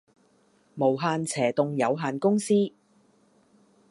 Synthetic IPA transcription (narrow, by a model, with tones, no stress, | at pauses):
mo˨˩wɦaː˨˧nt͡sʰɛː˨˩t̪ʊ˨ŋjɐ˨˧wɦaː˨nkʊ˥ŋsiː˥